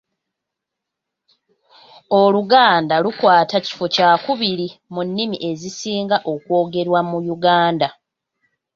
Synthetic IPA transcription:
oluɡaːndalukwaːtaci̥focakuβiɾimunːimiʔe̞zisiːŋɡaʔo̞kwo̞ːɡe̞ɾwamujuɡaːnda

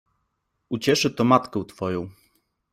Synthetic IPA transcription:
ut͡ɕɛʂɘt̪ɔmat̪kɛw̃t̪fɔjɔ̃w̃

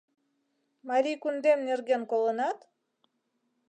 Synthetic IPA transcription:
maɾʲikund̪emnerɡʲenkolˠɤnɑt̪

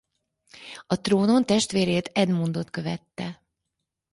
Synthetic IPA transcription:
ɒt̪roːnont̪ɛʃt̪ʋeːɾeːt̪ɛd̪mond̪ot̪kø̞vɛt̪ːɛ

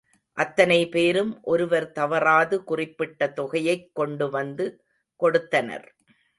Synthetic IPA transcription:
ʔɐt̪ːɐnɐɪpeːɾɯmʔɔɾɯʋɐɾt̪ɐʋɐraːðɯkʊrɪpːɪʈːɐt̪ɔɣɐjɐɪkːɔɳɖɯʋɐnd̪ɯ | kɔɽɯt̪ːɐnɐ̰ɾ

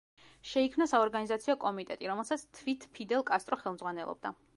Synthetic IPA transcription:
ʃɛikʰmnasaɔɾɡanizat̪sʰiɔkʼɔmit̪ʼɛt̪ʼiɾɔmɛlˠsat̪sʰt̪ʰvit̪ʰpʰid̪ɛlˠkʼast̪ʼɾɔχɛlˠmzʁwanɛlˠɔ̰b̚d̪a

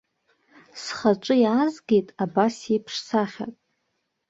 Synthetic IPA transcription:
sχaʈ͡ʂʼɨjaːzɡʲe̞jtʼabasepʰʂsaχʲa̰tʼ

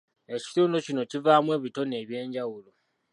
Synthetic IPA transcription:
e̞ci̥tuːndo̞cino̞civaːmwe̞ːβito̞ne̞ːβje̞ːɲɟawulo

